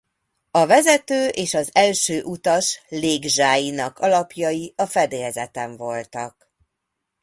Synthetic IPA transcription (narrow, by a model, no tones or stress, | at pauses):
ɒvɛzɛt̪øːʔeːʃɒzɛlʃøːʔut̪ɒʃleːɡʒaːjinɒkɒlɒpjɒjiɒfɛd̪eːjɛzɛt̪ɛɱvo̞lt̪ɒ̰k